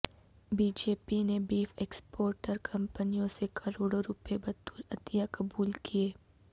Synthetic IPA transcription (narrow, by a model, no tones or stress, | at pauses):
biːd͡ʒeːpinebiːfeːkspoːɾʈəɾkʰɐ̃mpənijõsekʰɐɾoːɽoɾʊpebɐt̪uːlɐt̪ijakɐbuːlkieː